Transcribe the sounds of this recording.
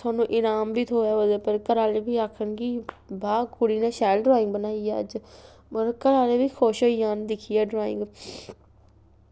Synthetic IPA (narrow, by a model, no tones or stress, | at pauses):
t̪ʰaːnːũːʔɪnaːmbiːt̪ʰoːɛːəd̪eːpəɾkəɾaːleːbiːaːkʰənki | bʱaːkʊɽiːnẽːʃɛːlɖɾaːɪ̃ŋɡbənaːiɛːə̰d͡ʒ | əɾkəɾaːleːbiːkʰoːʃoːiːjaːnd̪ɪkʰiːɛːɖɾaːɪ̰̃ŋɡ